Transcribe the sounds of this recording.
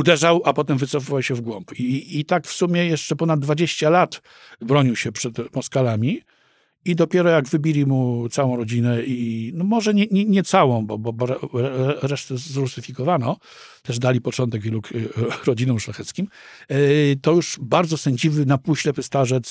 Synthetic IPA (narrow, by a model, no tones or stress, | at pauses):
ud̪ɛʐawʔapɔt̪ɛmvɘt̪sɔfɨvawɕɛvɡwɔmpiːt̪akfsumʲjɛjɛʂt͡ʂɛpɔnad̪̚ːvad͡ʑeɕt͡ɕalat̪ | bɾɔɲiwɕɛpʂɛt̪mɔskalamʲi | id̪ɔpʲjɛɾɔjaɡvɘbʲilʲimut̪sawɔ̃w̃ɾɔd͡ʑinɛinɔmɔʐɛɲɛɲɛɲɛt̪sawɔ̃w̃bɔbɔbɔɾɾɛɾɛʂt̪ɛːɾusɘfʲikɔvanɔ | t̪ɛʐd̪alʲipɔt͡ʂɔnt̪ɛɡvʲjɛlukɾɔd͡ʑinɔ̃mʂlaxɛt̪skʲim | t̪ɔjuʂbaɾd̪zɔsɛɲd͡ʑivɘnapuɕlɛpɘst̪aʐɛt̪s